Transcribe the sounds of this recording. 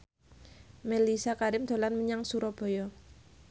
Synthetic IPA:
melisakaɾɪmd̪̥o̤lanməɲaŋsuɾɔb̥o̤jɔ

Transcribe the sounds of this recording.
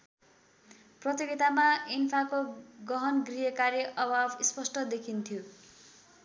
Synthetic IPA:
prʌt̪jiɡit̪amainpʰakoɡʌɦʌnɡrijʌkaɾjʌʔʌbʱabispʌsʈʌd̪ekʰint̪ʰjo

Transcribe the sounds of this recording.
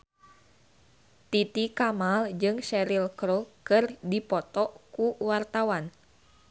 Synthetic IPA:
t̪it̪ikamald͡ʒɨŋʃɛɾilkɾokɨrdipɔt̪ɔkuwart̪awan

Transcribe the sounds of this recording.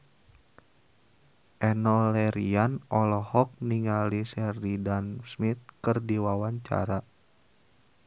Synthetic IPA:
ʔɛnɔlɛɾianɔlɔhɔk̚niŋalisɛrdidansmit̪̚kɨrdiwawaɲt͡ʃa̰ɾa

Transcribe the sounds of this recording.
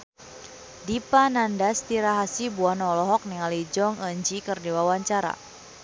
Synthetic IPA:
dipanandast̪iɾaɦasibuanɔlɔɦɔk̚niŋalid͡ʒɔŋəɲd͡ʒikərdiwawaɲt͡ʃaɾa̰

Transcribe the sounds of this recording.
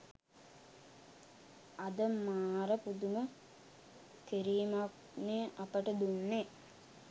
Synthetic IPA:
ɐd̪əmaːɾəpud̪umə | keɾiːmak̚ | neʔapəʈəd̪unːe

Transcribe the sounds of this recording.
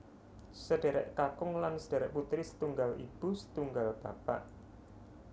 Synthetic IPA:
səɖ̥e̤ɾɛ̰ʔkakʊŋlansəd̥e̤ɾɛʔput̪ɾɪsə̥t̪uŋɡalḭb̥ṳsə̥t̪uŋɡalb̥a̰pa̰ʔ

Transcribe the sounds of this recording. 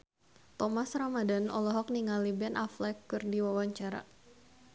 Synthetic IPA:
t̪ɔmasramadanɔ̰lɔɦɔk̚niŋalibɛnʔaflɛkːɨrdiwawaɲt͡ʃaɾa̰

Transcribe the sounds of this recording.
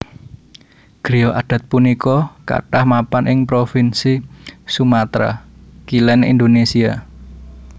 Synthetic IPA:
ɡ̥ɾijɔʔaɖ̥ä̤t̪̚punikɔka̰ʈahmapanʔɪŋpɾofinsisumat̪ɾa̰kilɛnḭnd̪onesia

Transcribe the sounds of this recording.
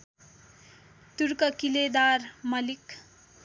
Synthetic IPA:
t̪uɾkʌkiled̪armʌlik

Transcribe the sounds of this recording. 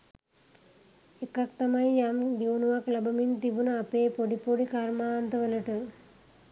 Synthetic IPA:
ekak̚t̪amajjamd̪inuʋaklabɐmint̪ibunəapeːpoɖipoɖikaɾmaːnt̪əʋələʈə

